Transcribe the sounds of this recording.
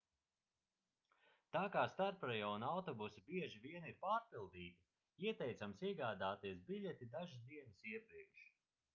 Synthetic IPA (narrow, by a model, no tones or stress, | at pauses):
t̪aːkaːst̪aɾpɾɛjaːunawt̪ɔbusibiɛʒiviɛniɾpaːɾpilˠd̪iːt̪i | iɛt̪ɛjt̪samsiɛɡaːd̪aːt̪iɛsbiʎʲɛt̪id̪aʒɨsd̪iɛnɨsiɛpɾiɛkʃ